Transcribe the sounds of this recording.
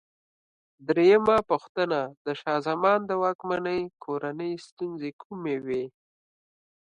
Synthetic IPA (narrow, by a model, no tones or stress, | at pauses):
d̪ɾejəmapuxt̪ənad̪əʃɑzamɑnd̪əwɑkmanəjkʰoɾanəjst̪unzekʰumewe